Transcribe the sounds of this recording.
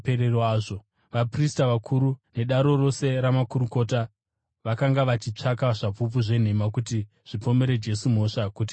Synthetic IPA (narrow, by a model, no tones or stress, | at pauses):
eɾeroaːʐo | ʋapristaʋakʰuɾune̞ɗaɾo̞ro̞se̞ɾamakuɾuko̞ta | ʋakaŋɡaʋat͡ʃit͡ʂakaʐapup̬uʐe̞n̤e̞makuti | ʐ̥ipo̞me̞ɾe̞d͡ʒe̞sum̤o̞ʂakut̬i̥